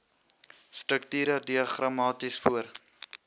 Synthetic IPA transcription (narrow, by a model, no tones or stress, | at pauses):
stɾəktyːɾədiəχramɑːtisfuər